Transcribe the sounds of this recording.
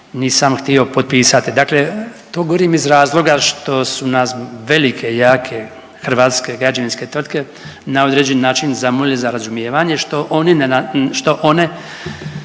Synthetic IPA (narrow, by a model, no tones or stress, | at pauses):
niːsamxt̪io̞po̞t̪̚piːsat̪id̪akle̞t̪oːɡoɾiːmizɾaːzlˠo̞ɡaʃt̪o̞sunasʋe̞likʰe̞jaːkʰe̞ | xr̩ʋaːt̪ske̞ɡɾad͡ʒaʋinske̞t̪ʋɾr̩t̪̚ke̞ | nao̞d̪ɾed͡ʑenːaːt͡ʃinzamolilizaɾazumjeːʋaɲeʃt̪o̞ʔoninʃt̪o̞ʔo̞ne̞